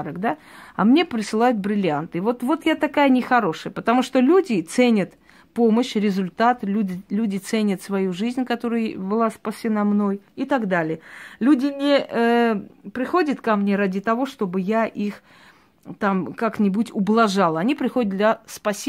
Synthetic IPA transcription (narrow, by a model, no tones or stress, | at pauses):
ɾəɡd̪aɐ̰mnʲe̞pɾʲɪsɨlˠajʊt̪̚bɾʲɪlʲɪant̪ɨvo̞t̪vo̞t̪jat̪ɐkajənʲɪxɐɾo̞ʂɨjəpət̪ɐmuʂt̪olʲudʲɪt̪senʲət̪ | po̞məɕɾʲɪzʊlʲt̪at̪lʲudʲɪlʲudʲɪt̪senʲət̪svɐjuʐɨzʲnʲkɐt̪o̞ɾəjəbɨlˠaspɐsʲɪnamno̞jɪt̪ɐɡd̪alʲɪjəlʲudʲɪnʲɪəpɾʲɪxo̞dʲət̪kɐmnʲe̞ɾadʲɪt̪ɐvo̞ʂt̪o̞bɨjaʔix | t̪amkaknʲɪbutʲʊblˠɐʐalˠəɐnʲipɾʲɪxodʲɪtd̪d̪lʲɐspɐsʲ